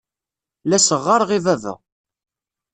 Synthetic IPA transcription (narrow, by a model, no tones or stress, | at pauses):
læsəʁːəɾˤʁivævə̰